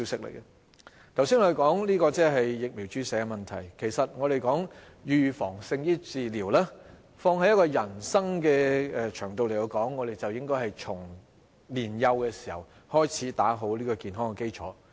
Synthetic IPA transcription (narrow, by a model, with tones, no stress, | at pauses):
i˥wsɪ˥k̚lḛ˨˩jkɛ˧ | t̪ʰɐ˨˩wsiː˥nŋɔː˨˧e˨kɔː˨˥ŋliː˥kɔː˧t͡sɛː˥˩ɦɐ˨jːɪ˨k̚mi˨˩wt͡ʃyː˨˥sɛː˨˧ɡɛ˧mɐ˨nt̪ʰɐ˨˩jkʰe˨˩jsɐ˨t̚ŋɔː˨˧ɾe˨jkɔː˨˥ŋ | jyː˨fɔː˨˩ŋsɪ˧ŋjiː˥t͡siː˨liː˨˩wlɛː˥ | fɔː˧ŋhɐ˨˧jɐ˥kɔː˧jɐ˨˩nsɐ˥ŋkɛː˧ɛ˨˧t͡ʃʰœː˨˩ŋt̪o˨wle˨˩kɐ˧wkɔː˨˥ŋːɔː˨˧d̪e˨˩jt͡sɐ˨wjɪ˥ŋkɔː˥jhɐ˨jt͡sʰʊ˨˩ŋ | liː˨˩njɐ˧wkɛː˧si̥˨˩hɐ̰˨˩whɔː˥jt͡sʰiː˨˥t̪aː˨˥ɦo˨˥wliː˥kɔː˧kiː˨nɦɔː˥ŋkɛ˨˧ke˥jt͡ʃʰɔ̰ː˨˥